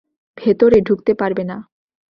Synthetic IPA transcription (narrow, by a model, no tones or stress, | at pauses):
bʱet̪oɾeɖʱukt̪epaɾbena